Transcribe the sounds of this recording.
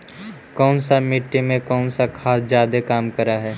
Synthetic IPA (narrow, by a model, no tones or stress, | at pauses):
kɔːnsamɪʈːimẽkɔːnsakʰaːsd͡ʒjaːd̪ekaːmkɐɾaɦɛː